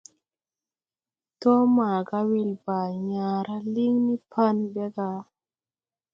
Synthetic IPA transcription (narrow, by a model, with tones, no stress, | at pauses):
tɔ˦maː˨ɡa˦wi˦lba˨ɲaː˨ɾa˦li˦ŋni˦pʰa˦nbe˦ɡa˧˦